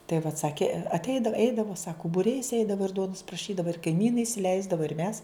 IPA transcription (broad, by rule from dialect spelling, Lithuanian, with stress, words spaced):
tɐɪ ʋɐt ˈsɑːkʲeː ɐtʲˈɛɪdɐw ˈɛɪdɐʋoː ˈsɑːkʊ bʊˈrʲɛɪs ˈɛɪdɐʋoː ɪr ˈduɔnʊs prɐˈʃʲiːdɐʋɐ ɪr kɐɪˈmʲiːnɐɪ ɪsʲɪˈlʲɛɪzdɐʋɐ ɪr ˈmʲɛs